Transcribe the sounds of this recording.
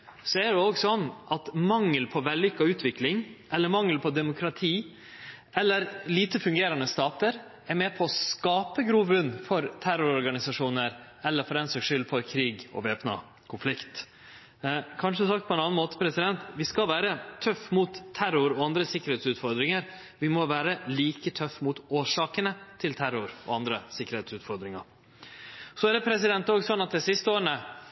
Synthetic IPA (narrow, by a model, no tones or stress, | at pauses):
sɔɛɖɛoːɡsɔnːʔɑt̪mɑŋːəlpʰɔʋɛlːʏkːɑʉːt̪ʰʋɪklɪŋʔɛlːəɾmɑŋːəlpʰɔd̪ɛmʊkʰɾɑt̪ʰiː | ɛlːəɾliːt̪əfʉŋɡeːɾɑnəst̪ɑːt̪əɾ | ɛɾmɛpʰɔːskɑːpəɡɾuːʋʉnːfɔɾt̪ʰæɾʊɾɔɾɡɑnɪsɑʂuːnəɾ | ɛlːəɾfɔɾɛnsɔɡʂʏlːfɔɾkʰɾiːɡɔ̰ʋeːpnɑ̰ | kʰʊnflɪkt̪ | kʰɑnʂəd̪ʉːsɑkt̪̚pʰɔɛnɑːnmoːt̪ə̥pʰɾɛsɪd̪ɛnt̪ʋɪskɑlʋæːɾət̪ʰœfːmut̪ʰːæɾʊɾɔɑnd̪ɾəsɪkːəɾhɛːt̪sʉːt̪fɔɾd̪ɾɪŋəɾ | ʋɪmɔʋæːɾəliːkət̪ʰœfːmʊt̪oːʂɑːkənət̪ʰɪlt̪ʰæɾʊɾɔ̰ɑnd̪ɾəsɪkːəɾhɛːt̪sʉːt̪fɔɾd̪ɾɪŋɑ̰ɾ | sɔæɖ̪ɛpʰɾɛsɪd̪ɛnt̪oːɡsɔnːɑt̪̚d̪ɪsɪst̪əoːɾəɳə